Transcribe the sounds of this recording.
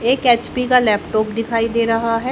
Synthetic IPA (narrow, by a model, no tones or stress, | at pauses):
eːkeːt͡ʃpikalɛːpʈɔːpd̪ɪkʰaːid̪eːɾɐɦaɦɛ